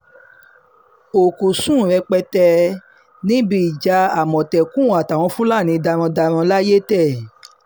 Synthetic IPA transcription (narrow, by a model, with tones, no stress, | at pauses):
o˨ku˨sũ˦˨ɾɛ˧k͡pɛ˧tɛ˧ | nĩ˦bi˨d͡ʒa˧˦a˨mɔ̃˨tɛ˨kũ˦˨a˨ta˨w̃ɔ̃˧fũ˦la˦˨nĩ˧da˧ɾ̃ɔ̃˧da˧ɾ̃ɔ̃˧la˦je˦tɛ˦˨